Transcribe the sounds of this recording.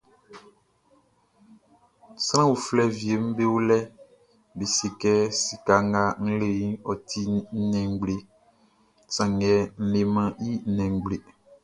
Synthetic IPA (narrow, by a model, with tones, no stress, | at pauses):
sɾ̃ã˦wu˨flɛ˦vi˨e˨m̩˦be˦wo˦lɛ˦ | be˨si˨kɛ˦si˨ka˨ŋɡa˦ŋ̩˦lẽ˨˦ɔ˨tʰi˦n̩˦nɛ̃˨ŋ˨ɡ͡ble˨ | sã˨ŋɛ˨n̩˦le˨mã˦ji˦n̩˦nɛ̃˨ŋ˨ɡ͡ble˨